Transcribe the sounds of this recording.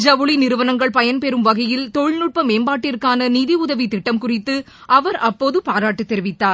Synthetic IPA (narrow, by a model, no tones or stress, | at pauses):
d͡ʒɐʋɯɭinɪɾɯʋɐnɐŋɡɐɭpɐjɐnpɛɾɯmʋɐɣɐjɪlt̪ɔɻnɯʈ̚pɐmeːmbaːʈːɪrkaːnɐniːðiʊðɐʋit̪ɪʈːɐmkʊrɪt̪ːɯ | ʔɐʋɐɾɐpːoːðɯpaːɾaːʈːɯt̪ːɛɾɪʋɪt̪ːaːɾ